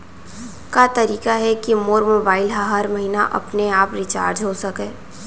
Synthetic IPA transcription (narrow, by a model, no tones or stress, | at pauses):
kat̪ɐɾiːkaɦɛkimoːɾmoːbaːɪlɦɐɦɐɾmɐɦiːnaʔɐ̰pneaːpɾɪt͡ʃa̰ːɾd͡ʒɦosɐkẽː